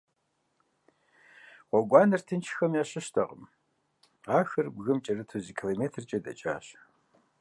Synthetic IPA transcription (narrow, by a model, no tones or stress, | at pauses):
qʷɔɡʷɑːnɐrtʰɨnt͡ʃʰxɐmjaːɕɪʃtʰɐqəm | aːxɐrbɣɨmt͡ʃʼɐrɨtʰuzikʰiloːmeːtʰrt͡ʃʼɐdɐ̰t͡ʃʼa̰ːɕ